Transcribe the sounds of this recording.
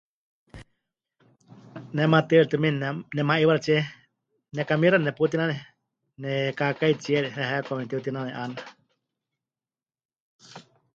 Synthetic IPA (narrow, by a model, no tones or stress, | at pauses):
nɛmat̪ɨɾt̪ɨminnɛmaiwaɾat͡ʃɛ | nɛkamiɾanɛput̪inanɛ | nɛkakait͡ʃiɛɾiɾɛɦakʷamnɛt̪iut̪inanɛʔana